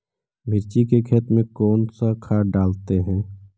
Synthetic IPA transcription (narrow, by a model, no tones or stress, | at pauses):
bʱɪɾt͡ʃikekʰɛːt̪mẽkɔːnsakʰaːɖaːlt̪eɦɛ̃ː